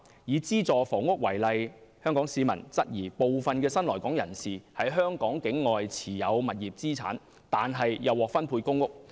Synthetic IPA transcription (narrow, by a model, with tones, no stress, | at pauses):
jiː˨˧t͡siː˥t͡sɔː˨fɔː˨˩ŋʊ˥k̚wɐ˨˩jlɐ˨jhœː˥ŋkɔː˨˥ŋsiː˨˧mɐ̰˨˩nt͡sɐ˥t̚jiː˨˩po˨wfɐ˨nkɛː˧sɐ˥nlɔː˨˩jkɔː˨˥ŋjɐ̰˨˩nsiː˨hɐ˨jɦœː˥ŋkɔː˨˥ŋkɪ˨˥ŋːɔː˨jt͡sʰiː˨˩jɐ˨˧wmɐ˨t̚jiː˨p̚t͡siː˥t͡sʰa̰ː˨˥n | t̪aː˨nɦɐ˨jjɐ˨˧wɔː˨k̚fɐ˥npʰuː˧jkʊ˥ŋːʊ˥k̚